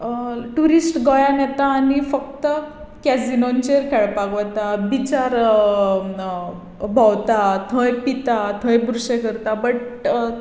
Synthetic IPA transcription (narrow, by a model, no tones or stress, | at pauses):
ʈuɾisʈɡɔjanɛt̪aːnifək̚t̪ə | kɛd͡zinont͡ɕeɾkʰɛɭpakʋət̪abit͡ɕaɾ | bʱawt̪at̪ʰə̃jpit̪at̪ʰə̃jbɾuɕekəɾt̪abəʈ